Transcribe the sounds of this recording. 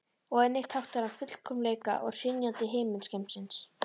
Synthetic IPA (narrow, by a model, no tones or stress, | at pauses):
ɔɣɛnːɪxt̪hawht̪aɾavfʏt̪l̥kʰɔmleːjka̰ʔɔ̰ɣr̥ɪnjant̪ɪɦeːjmɪnscɛjm̥sɪns